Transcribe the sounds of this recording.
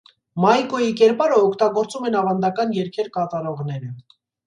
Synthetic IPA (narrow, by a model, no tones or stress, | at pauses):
mɑjkɔjikɛɾpɑɾəɔkʰt̪ɑɡɔɾt͡sumɛnɑvɑnd̪ɑkɑnjɛɾkʰɛɾkɑt̪ɑɾɔʁn̪ɛɾə